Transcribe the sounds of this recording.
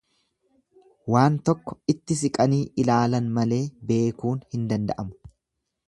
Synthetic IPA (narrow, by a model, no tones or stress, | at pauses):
waːnt̪ɔkːɔ̥ɪt̪ːɪsɪkʼɐniːʔɪlaːlɐnmɐle̞ːbe̞ːkuːnhɪnd̪ɐnd̪ɐ̰ʔɐmʊ̥